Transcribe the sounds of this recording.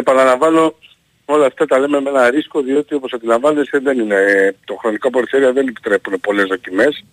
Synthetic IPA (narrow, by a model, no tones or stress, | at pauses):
epɐnɐlɐɱvɐno̞ | o̞lɐːft̪ɐt̪ɐle̞meme̞nɐɾisko̞ðio̞t̪io̞po̞sɐnd̪ilɐɱvɐne̞st̪eðe̞ninet̪oxɾo̞nikop̬oɾiθe̞ɾiɐðe̞nepi̥t̪ɾe̞pune̞po̞le̞zðo̞cime̞s